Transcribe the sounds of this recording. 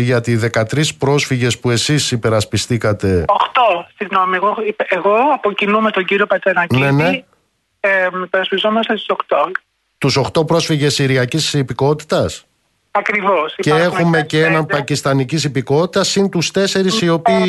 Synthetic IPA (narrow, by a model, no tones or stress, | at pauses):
ʝɐt̪iðe̞kɐt̪ɾispɾo̞sfiʝe̞spue̞sisipe̞ɾɐspist̪ikɐt̪e̞oxt̪o̞siɣno̞mieɣoieɣo̞ɐpocinumet̪o̞ɲɟiɾiopɐt͡senɐcnene | epeɾɐspizomɐst̪est̪sokt̪oɡ | t̪uso̞xt̪o̞pɾo̞sfiʝe̞siɾiɐcisipiko̞t̪i̥t̪ɐs | ɐkɾivo̞siee̞xume̞ceenɐmpɐcist̪ɐnicisipiko̞t̪it̪ɐsint̪ust̪e̞se̞ɾisio̞piː